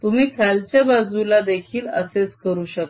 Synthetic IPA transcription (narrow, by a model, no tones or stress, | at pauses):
t̪um̤iːkʰalt͡ɕjabad͡zulad̪ekʰiːlə̰set͡skəɾuːɕək